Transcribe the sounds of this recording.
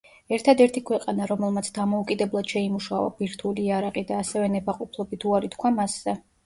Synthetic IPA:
ɛɾt̪ʰad̪ɛɾt̪ʰikʰwɛqʼanaɾɔmɛlˠmat̪sʰd̪amɔukʼid̪ɛblˠad̪̥ʃɛimuʃa̰va̰biɾt̪ʰuliːaɾaqʼid̪aːsɛvɛnɛbaqʼupʰlˠɔbit̪ʰuaɾit̪ʰkʰwamaszɛ

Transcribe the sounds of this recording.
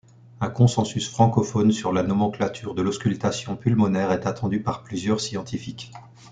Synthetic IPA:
ɛ̃kɔ̃sɑ̃sysfχɑ̃kɔfɔnsyʁlanɔmɑ̃klat̪ʰyʁd̪əlɔskʲylt̪asjɔ̃pylmɔnɛʁɛt̪at̪ɑ̃d̪ypaʁplyzjœʁsjɑ̃t̪ifik

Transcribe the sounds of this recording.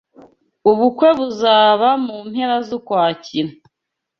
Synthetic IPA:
uβukwe̞βuzaːβamumhe̞ɾazukwaːciɾa

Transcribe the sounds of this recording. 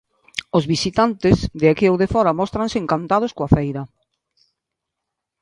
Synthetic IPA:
ozβisit̪ant̪ɪzðɪakiowðefɔɾɐmɔst̪ɾãnseeŋkant̪að̞ʊskoafejɾɐ

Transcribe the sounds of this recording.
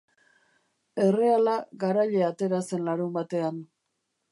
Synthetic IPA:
e̞re̞alaɡaɾaʎe̞at̪e̞ɾase̞nlaɾumbat̪e̞an

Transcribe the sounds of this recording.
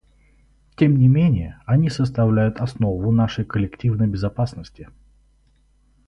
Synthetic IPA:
tʲe̞mnʲɪmʲenʲɪjəɐnʲisəst̪ɐvlʲæjʊt̪ɐsnovʊnaʂəjkəlʲɪktʲivnəjbʲɪzɐpasnəsʲtʲɪ

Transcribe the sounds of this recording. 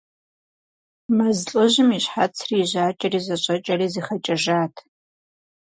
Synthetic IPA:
mɐzɬʼɨʒɪmiɕħat͡sʰriːʑaːt͡ʃʼɐriːzɐɕʼɐt͡ʃʼɐriːziːχɐt͡ʃʼɐʒaːtʰ

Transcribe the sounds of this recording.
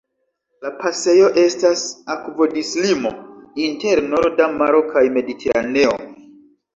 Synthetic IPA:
lapase̞jo̞ʔe̞stasakvo̞dislimo̞inte̞ɾnoɾdamaɾo̞kajme̞ditʰe̞ɾa̰ne̞o̞̰

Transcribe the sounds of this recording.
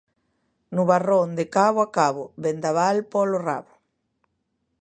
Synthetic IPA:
nuβarond̪ekaβoakaβobend̪aβalpɔlora̰βʊ

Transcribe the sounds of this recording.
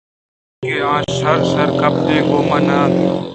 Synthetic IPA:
ɡeãːʃɐɾsɐɾkɐp̚d̪ẽːɡoːmɐnãː

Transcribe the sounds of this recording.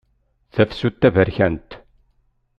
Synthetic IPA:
θæfsut̪ːævəɾçænt̪

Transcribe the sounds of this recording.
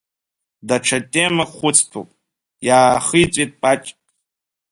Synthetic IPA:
daʈ͡ʂʰatʲʼemaχʷʊt͡sʰtʰo̰pʼ | jaːχɨjt͡sʷʼejtʼpʼat͡ʃʼ

